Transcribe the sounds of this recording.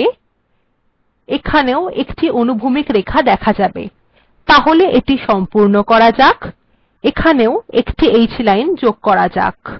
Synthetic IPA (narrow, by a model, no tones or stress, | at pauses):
ekʰaneoekʈiʔonubʱumikɾekʰad̪ɛkʰad͡ʑabḛ | t̪aɦoleʔeʈiʃɔmpuɾnokɔɾad͡ʑak | ekʰaneoekʈiejt͡ɕʰilajnd͡ʑoɡ̚kɔɾad͡ʑa̰k